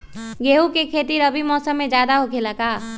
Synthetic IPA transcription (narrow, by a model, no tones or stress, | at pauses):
ɡeːɦukekʰeːt̪iɾəbʱimɔːsəmːẽd͡ʒjaːd̪aɦokʰeləkaː